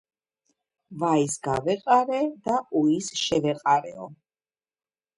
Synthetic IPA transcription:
vaisɡavɛqʼaɾɛd̪auisʃɛvɛqʼaɾɛ̰ɔ

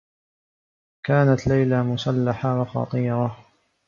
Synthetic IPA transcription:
kaːnat̪lajlamʊsalːaħawɑxɑ̰t̪ˤiːɾɑ

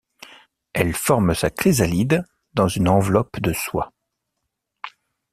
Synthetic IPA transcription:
ɛlfɔʁmsakχizalid̪ | d̪ɑ̃zynɑ̃vlɔpd̪əswa̰

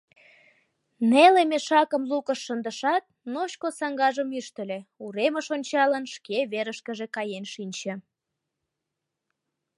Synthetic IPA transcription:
nelemeʃɑkəmlukəʃːənd̪əʃɑt̪̚noɕkosɑŋɡɑʒəmyʃt̪ə̆lʲeuɾeməʃonʲt͡ɕɑlənʃkeβeɾəʃkəʒekɑjenʃinʲt͡ɕə̆

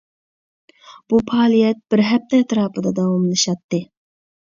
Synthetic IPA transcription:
b̥upʰɑːlˠijɛt̪̚b̥ɪɾɦɛp̚t̪ʰɛːt̪ɾɑːpɨd̪ɑd̪ɑwɑmlˠɨʃɑt̪ːɨ

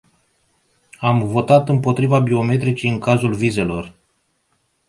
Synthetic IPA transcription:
amvo̞t̪at̪ɨmpo̞t̪ɾivabio̞me̞t̪ɾit͡ʃejɨŋkazulvize̞lo̞r

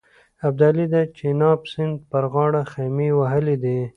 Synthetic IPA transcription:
ab̚d̪alid̪at͡ʃenɑbsɪnd̪̚pəɾɣɑːɽaxemiwaɦəlid̪e

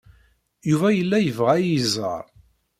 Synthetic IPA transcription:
juvæjəlːæjəvʁæjizə̰ɾ

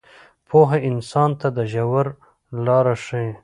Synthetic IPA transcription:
pʰoɦeɪnsɑːnt̪ad̪əʒawaɾ | lɑːɾaʂẽ

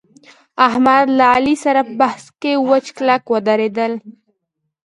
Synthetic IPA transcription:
aɦmad̪laalisaɾapəbahskewət͡ʃklakwad̪aɾed̪əl

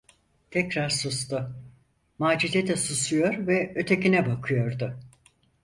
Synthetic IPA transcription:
t̪ʰɛcɾaɾsust̪ʊ | maːd͡ʒizet̪ɛsusujo̞ɾvɛø̞t̪ʰe̞cinɛbakʰɯjo̞ɾd̪ʊ

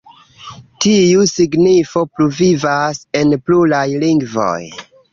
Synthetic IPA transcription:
tiusiɡnifo̞pɾuvivase̞nplulajliŋɡvo̞̰j

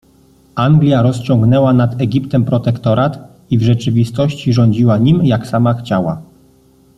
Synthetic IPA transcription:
ʔaŋɡlʲjaɾɔst͡ɕɔŋɡnɛwanad̪ɛɡʲipt̪ɛmpɾɔt̪ɛkt̪ɔɾat̪ | ivʐɛt͡ʂɘvʲist̪ɔɕt͡ɕiʐɔɲd͡ʑiwaɲimjaksamaxt͡ɕawa

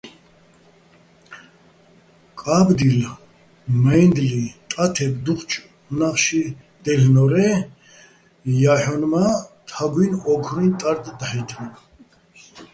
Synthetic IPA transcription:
kʼabd̪il | majnd̪lit̪ʼat̪ʰɛbd̪uχt͡ʃʰʼ | naχʃi | d̪̥ɛlnɔɾɛ | jaħɔnmat̪ʰaɡwinɔɡʰɾint̪ʼaɾt̪ʼd̪aħɛt̪ʰma

